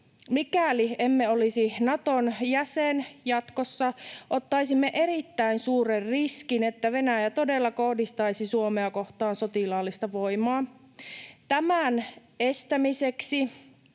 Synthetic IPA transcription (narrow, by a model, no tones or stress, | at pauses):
mikæliemːeolisinɑt̪onjæsenjɑt̪kosːɑʔot̪ːɑisimːeʔeɾit̪ːæinsuːrerriskinet̪ːæʋe̞næjæt̪o̞delːɑko̞hdist̪ɑjsisuomeɑkoht̪ɑːnsot̪ilɑːlːist̪ɑʋojmɑː | t̪æmænest̪æmiseksi